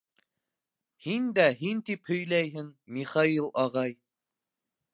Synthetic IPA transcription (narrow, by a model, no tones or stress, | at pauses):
hind̪æɦint̪iphɵ̆jlæjɦɘŋmiχɑilˠɑʁɑj